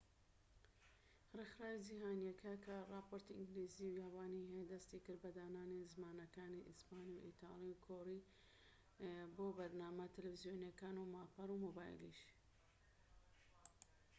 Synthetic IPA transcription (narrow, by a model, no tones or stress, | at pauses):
rexɾaːwid͡ʒiɦaːnijɐkʰɐkʰɐrɑːpoːɾt̪iʔɨŋɡliːziujaːwaːniɦejd̪ɐst̪ikɨɾbɐd̪aːnaːnizmaːnɐkaːniʔispaːnijuʔḭt̪ʰɑ̰ːlˠiukʰoɾi | boːbɐɾnaːmɐt̪ɨlfizijoːnjɐkaːnumaːpaɾumoːbaːj̰lḭʃ